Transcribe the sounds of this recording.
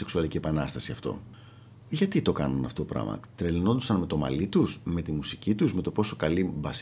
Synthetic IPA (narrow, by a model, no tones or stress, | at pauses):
seksuɐlicie̞pɐnɐst̪ɐsiɐft̪o̞̰ | ʝɐt̪it̪o̞kɐnunɐft̪oopɾɐ̰mɐ̰t̪ɾelino̞nd̪osɐnme̞t̪o̞mɐ̰lit̪usme̞t̪imusicit̪uzme̞t̪o̞po̞so̞kɐlibɐs